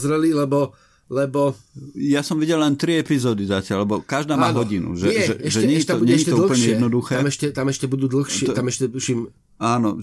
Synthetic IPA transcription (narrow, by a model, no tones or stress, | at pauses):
zɾɛlilɛbɔ | lɛbɔjasɔmʋiɟɛllɛnt̪ɾiɛpizɔːd̪izacɪaʎlɛbɔkaʒd̪aːmaːɦɔɟinṵʒɛʒɛ̰ɛʃʒɛɲɛɲit̪ɔbuɲɛɲiɛtɔl̩pl̩ɲɛjɛd̪nɔd̪uxɛmɛʃcɛt̪amɛʃcɛbud̪uːd̪l̩ˠxʃɪɛt̪amɛʃcɛt̪uʃim | aːnɔ̰